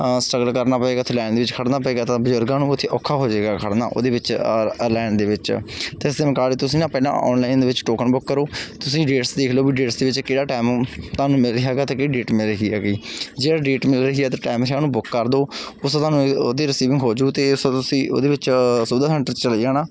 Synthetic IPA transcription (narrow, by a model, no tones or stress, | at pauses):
sʈɾəɡəlkəɾnaːpəeːɡaːt̪ʰːlɛːnd̪eːʋɪt͡ʃkʰəɽnaːpəeːɡaːt̪ãːbəzʊɾɡãːnũːʊt̪ʰːeːʔɔːkʰːaːɦoːd͡ʒeːɡaːkʰəɽna̰ːʔo̰ːd̪eːʋɪt͡ʃlɛːnd̪eːʋɪt͡ʃt̪esd̪eːmɪkaːliːt̪ʊsĩːnãːpɛɪlã̰ːʔɔ̰ːnlaːɪnd̪eːʋɪt͡ʃʈoːkənbʊkːəɾoːt̪ʊsĩːɖeːʈsd̪eːkʰloːbiːɖeːʈsd̪eːʋɪt͡ʃkɪɽaːʈaːmt̪aːnũːmɪlɾɪɦaːɡaːt̪ãːkɪiɖeːʈmɪlɾəɦiːɛːɡiːd͡ʒeːɽaːɖeːʈmɪlɾəɦiːɛːt̪aːʈaːɪmɾãːnũːbʊkːəɾd̪oː | ʊst̪aːnũːd̪eːɾɪsiːʋɪ̃ŋɡɦoːd͡ʒuːt̪eːst̪ʊsĩːo̰ːd̪eːʋɪt͡ʃsʊd̪aːsɛ̃ːɳʈəɾt͡ʃəlːd͡ʒaːnaː